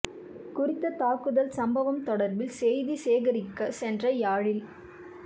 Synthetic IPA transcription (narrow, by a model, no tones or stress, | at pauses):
kʊrɪt̪ːɐt̪aːkɯðɐlsɐmbɐʋɐmt̪ɔɽɐɾbɪlsɛjðiseːɣɐɾɪkːɐsɛndrɐjaːɻɪl